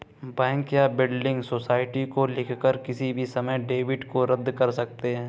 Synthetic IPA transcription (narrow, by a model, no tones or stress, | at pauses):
bɛ̃ːkjabɪɖɖɪ̃ŋɡsoːsaːɪʈikolɪkʰkəɾkɪsibʱisɐməjɖeːʋɪɖkoɾɐd̪ːkɐɾsɐk̚t̪eɦɛ̃ː